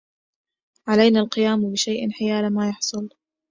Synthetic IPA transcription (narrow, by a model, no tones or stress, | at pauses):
ʕalajnaːlqɨjaːmbɪʃajʔɪnħɪjaːlamaːjɑħsˤʊl